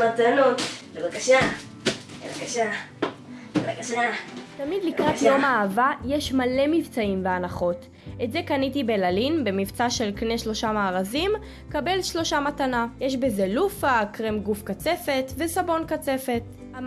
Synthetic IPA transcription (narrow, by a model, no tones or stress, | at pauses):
matanot̪levakaʃa | evakaʃa | vakʃatamid̪likʁatjjomaavajeʃmale̞mivt͡saimveanaχo̞t | etze̞kanitibelalinbe̞mivt͡saʃe̞lkne̞ʃlo̞ʃamaːʁazim | kabe̞lʃlo̞ʃamatanajeʃbezelufakʁemɡufkat͡se̞fe̞tve̞sabo̞nkat͡se̞fe̞t